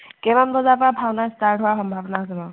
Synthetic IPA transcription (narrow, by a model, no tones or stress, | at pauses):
kɛbanbɔzapɔɹabʱawnastaɹɦʊwaxɔmbʱabɔnasɛbɔ̃